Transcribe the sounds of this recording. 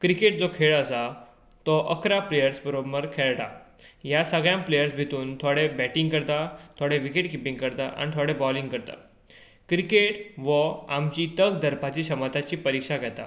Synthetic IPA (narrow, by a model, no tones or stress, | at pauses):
kɾikeʈ̚d͡zokʰeɭəsa | t̪ɔʔəkɾaplejəɾsbəɾobəɾkʰeɭʈa | jasəɡɭjãmplejəɾsbʱit̪uːnt̪ʰoɽebæʈĩŋɡkəɾt̪at̪ʰoɽeʋikeʈ̚kipĩŋɡkəɾt̪aʔa̰ñit̪ʰoɽebɔlĩŋɡkəɾt̪a̰ | kɾikeʈʋəamt͡ɕit̪əɡd̪əɾpat͡ɕiːɕəmət̪at͡ɕiːpəɾikʂaɡʱɛt̪a̰